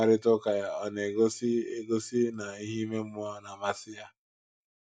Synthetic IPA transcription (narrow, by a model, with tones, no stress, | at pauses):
a˨ɾɪ˦tʊ˦ka˨ja˨ɔ˨ne˨ɡo˦sɪ˦e˦ɡo˦si˦na˨i˦ɦi˦me˦m̩˦mʊ˦ɔ˦na˨ma˨sɪ˦ja˦